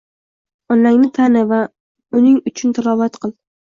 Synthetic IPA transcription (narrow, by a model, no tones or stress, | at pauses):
ɒnlaŋnɪt̪ʰanɪva | ʊnɪŋʊt͡ʃʰʊnt̪ʰalɒvat̪qʰɨlˠ